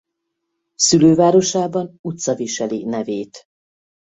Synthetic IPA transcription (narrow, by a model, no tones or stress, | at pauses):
syløːvaːɾo̞ʃaːbɒnut̪sɒviʃɛlinɛveːt̪